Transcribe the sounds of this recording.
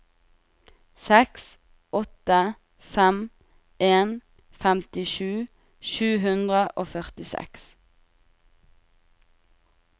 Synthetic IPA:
sɛks | ɔt̪ə | fæm | ʔeːn | fæmt̪ɪʃʉː | ʃʉːɦʉnd̪ʁəʔoːfœʁt̪ɪsɛ̰ks

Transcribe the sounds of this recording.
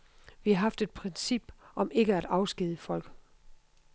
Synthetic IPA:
ʋihɑ̈ɦɑ̈fd̥e̝d̥̚pʰʁɛnsib̥ʔɒ̽me̝ɡ̥əæɾ̥ɑ̈ʊsɡ̥iðˠəfɒ̽l̰ɡ̥

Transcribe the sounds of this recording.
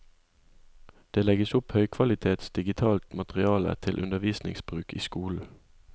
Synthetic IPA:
d̪̥eːlɛɡəsʊphœʏkʰʋɑlɪt̪ʰeːt̪sd̪̥ɪɡɪt̪ʰɑːlt̪mɑt̪ʁɪɑːlə̰t̪ʰɪlʔʉnd̪əʋiːsnɪ̰ŋsb̥ʁʉːkʰḭːskuːl̩

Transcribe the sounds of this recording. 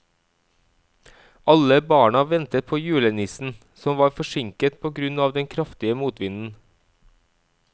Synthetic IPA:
ʔɑləbɑːɳɑʋɛnt̪ət̪̚pʰoːjʉːlənɪsn̩ | sɔmʋɑːɾfɔʃɪŋkət̪pʰoːɡɾʉnɑːʋd̪ɛnkʰɾɑft̪ɪəmuːt̪ʋɪnn̩

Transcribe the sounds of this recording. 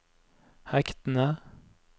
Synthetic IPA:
hɛkt̪n̩ə

